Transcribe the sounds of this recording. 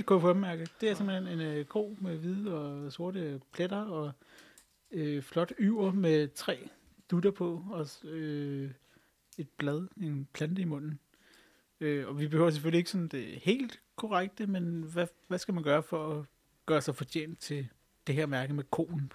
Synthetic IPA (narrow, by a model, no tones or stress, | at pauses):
ekʰujæfɒb̥mæɐɡ̥əd̥e̝æɐse̝mb̥l̩ene̝nɡ̥o̝̰ːmeʋiðˠəɒ̽so̝ɐɾəpʰleɾ̥ɐɒ̽ | øflɒ̽d̥yʊ̰ɐmet͡sʰʁɛ̰ː | d̥ud̥ɐpʰɒ̽ɒ̽ø | e̝d̥̚b̥lɛð̞ˠe̝npʰlænd̥əimɔ̽n̰n̩ | øɒ̽ʋib̥e̝hø̰ʊ̰ɐs̬efølie̝ɡ̥əsɒ̽n̩d̥e̝he̝̰ːld̥kʰɒʁaɡ̥̚d̥əmenʋæ | ʋæsɡ̥æmænɡ̥ɶːɐfɒ̽ɒ | ɡ̥ɶːɐsɑ̈ɪfɒ̽t͡ɕʰḛːnd̥̚t͡sʰe̝ | d̥e̝ɦeɐ̰mæɐɡ̥əmekʰo̝̰ːn̩